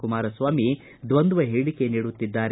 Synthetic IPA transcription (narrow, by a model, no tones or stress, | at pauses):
kumaːɾɐsʋaːmi | d̪ʋɐnd̪uʋɐɦiɽike̞niːɽut̪ːid̪ːaːɾ